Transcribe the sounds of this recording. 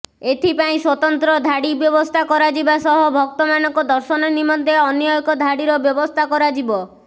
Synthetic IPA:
et̪ʰipaĩswɔt̪ɔnt̪ɾɔd̪ʱaɽibjɔbɔst̪ʰakɔɾad͡ʒibasɔɦɔbʱɔk̚t̪ɔmanɔŋkɔd̪ɔɾsɔnɔnimɔnt̪eɔnijɔjɔkɔd̪ʱaɽiɾɔbjɔbɔst̪ʰakɔɾad͡ʒibɔ

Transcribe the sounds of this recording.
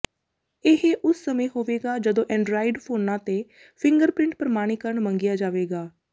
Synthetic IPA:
eɦeʔʊsːəmẽːɦoːʋeːɡaːd͡ʒəd̪õːʔɛ̃ːɳɖɾaːɪɖpʰoːnãːt̪eː | pʰɪ̃ŋɡəɾpɾɪ̃ɳʈ̚pɾəmaːɽ̃iːkəɾəɳmə̃ŋɡɪjaːd͡ʒaːʋeːɡaː

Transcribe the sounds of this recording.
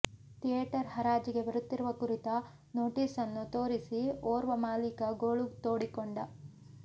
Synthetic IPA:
t̪ijeːʈɐɾhɐɾaːd͡ʒiɡe̞bɐɾut̪ːiɾuʋɐkuɾit̪ɐ | noːʈiːsɐnːut̪o̞ːɾisioːɾʋɐmaːlikɐɡoːɭut̪oːɽikoɳɖɐ

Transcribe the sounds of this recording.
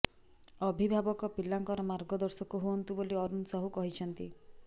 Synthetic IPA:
ɔbʱibʱabɔkɔpilːaŋkɔɾɔmaɾɡɔd̪ɔɾsɔkuɦuɔnt̪uboliɔɾunsɔɦukɔɦit͡ʃʰɔnt̪i

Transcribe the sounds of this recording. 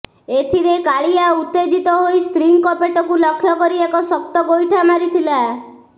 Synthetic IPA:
et̪ʰiɾekaɭiaut̪ːed͡ʒit̪ɔɦojst̪ɾiŋkɔpeʈɔkulɔkʰːjɔkɔɾiekɔsɔk̚t̪ɔɡojʈʰamaɾit̪ʰila

